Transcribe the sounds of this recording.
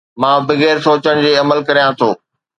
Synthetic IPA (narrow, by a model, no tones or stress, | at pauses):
mãːbɪɣeːɾsoːt͡ɕəɽ̃d͡ʑeːɐməlkɐɾijãt̪ʰoː